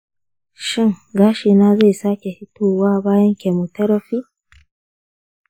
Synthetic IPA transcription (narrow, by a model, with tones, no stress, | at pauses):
ʃɪ˦ŋɡaː˦ʃeː˨naː˦za˦˨jsaː˦kʲe˨hɪ˦tʰoː˦waː˦baː˦jɐ˦ŋkʲe˨mo˨tɐ˦ɾɐ˦ɸiː˦